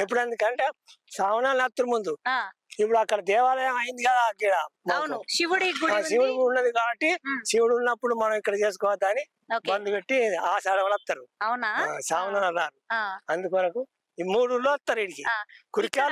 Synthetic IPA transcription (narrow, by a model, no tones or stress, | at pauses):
epːuɽɐnd̪ikɐɳʈeː | saːʋɐnaːlnɐt̪ːuɾmund̪ua | ip̬ːuɽuɐkːɐɽɐd̪ɛːʋaːlɐjɐmɐjind̪iɡɐd̪aːɡiːɽaːmawnuʃiʋɐɽiɡaːʃiʋuɽiɡunːɐd̪ikaːbɐʈːisiʋuɽunːɐpːuɽumɐnɐ̃mikːɐɽɐt͡ʃe̞ːs̬u̥kɔːʋɐd̪aːni | okbɐnd̪ubeʈːiiaːsaːɽɐʋɐlɐt̪ːɐɾuɐwnɐasaːʋɐnaːlɐlːaːɾuɐnd̪ukɐʋɐɾɐku | imuːɽulːoːɐt̪ːɐɾiːɽikikuɾikaː